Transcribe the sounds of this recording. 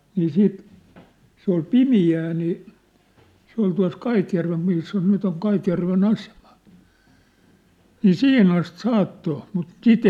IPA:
niː siːt se ol pimiæː niː se ol tuɑ̝s kɑitjærʋem misːæ nyt oŋ kɑitjærʋen ɑsem̥ɑ̥ niː sihin ɑst sɑːtːo mut sit

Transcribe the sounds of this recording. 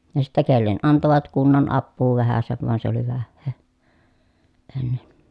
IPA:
jɑ sitːæ kelːen ɑntoʋɑt kunːɑn ɑpːuː ʋæhæseʋ ʋɑn se oli ʋæhːeː enːen

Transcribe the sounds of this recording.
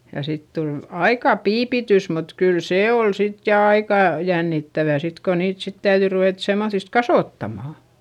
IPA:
jɑ sit tul ɑikɑˑ piːpitys mut kyl seː ol sit jɑ ɑikɑˑ jænːitːæʋæ sit ko niːt sit tæyðyi ruʋeˑt semːoθist kɑsoˑtːɑmɑˑ

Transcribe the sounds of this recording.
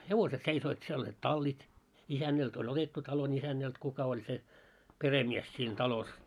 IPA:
heʋoset seisoit siel olʲːiːt tɑlːit isænːælt olʲ otetːu tɑion isænːælt kukɑ olʲ se peremies siːn tɑlos

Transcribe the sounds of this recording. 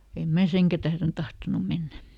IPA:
em mæ seŋkæ tæhren tɑhtonu menːæ

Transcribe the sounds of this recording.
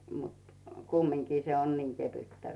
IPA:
mut kumːiŋkiː se on niŋ keʋytːæ

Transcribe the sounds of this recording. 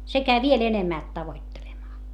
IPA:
se kæi ʋiel enemːæˑlt tɑʋoitːelemɑː

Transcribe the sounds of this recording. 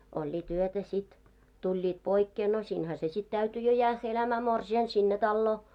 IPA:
olʲːiːt yøtæ sit tulʲːiːt poikːeː no siːnhæ se sit tæyty jo jæːhːæ elæmæː morsiɑn sinːe tɑlːoː

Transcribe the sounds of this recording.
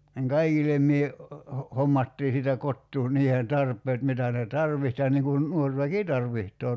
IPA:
niŋ kɑikilem mie ho homːɑtːiː siːtæ kotːuː niːheːn tɑrpˑeːt mitæ ne tɑrʋiht jɑ niŋ kun nuor ʋæki tɑrʋihtˑoː

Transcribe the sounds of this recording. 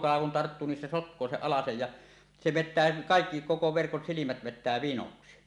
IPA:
kɑlɑ kun tɑrtːuː nin se sotkˑoː seʔ ʔɑlɑsej jɑ se ʋetːæː kɑˑekːi koko ʋerkon silimæt ʋetˑæː ʋinoksi

